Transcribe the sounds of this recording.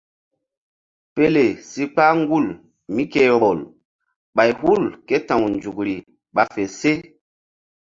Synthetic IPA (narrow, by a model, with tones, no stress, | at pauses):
pe˦le˨si˦k͡pa˦ŋɡu˦˨l | mi˦ke˦ɾo˨l | ɓa˨jɦu˦˨lke˦tã˨wnd͡ʒu˨kɾi˨ | ɓa˨fe˨se˦